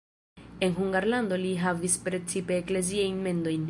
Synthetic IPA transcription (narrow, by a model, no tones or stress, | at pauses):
e̞nɦuŋɡaɾland̪o̞liɦavispɾe̞t͡sipe̞ːkle̞ziajnme̞nd̪o̞jn